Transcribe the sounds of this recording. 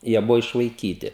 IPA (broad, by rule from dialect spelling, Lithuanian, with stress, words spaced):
ˈjiɛ ˈbʊʋoː ɪʃʋɐɪˈkʲiːtʲɪ